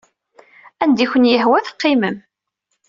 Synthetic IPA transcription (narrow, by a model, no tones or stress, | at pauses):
ænd̪içʷənjəhwæθə̥qːɪməm